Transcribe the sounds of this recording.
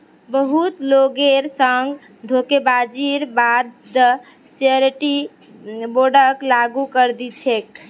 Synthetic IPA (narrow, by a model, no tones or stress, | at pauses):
bəɦut̪loɡeɾsəŋɡ | d̪ʱokebad͡ʒiɾbad̪ | səɾʈi | boɖəklaɡukəɾd̪it͡ʃʰek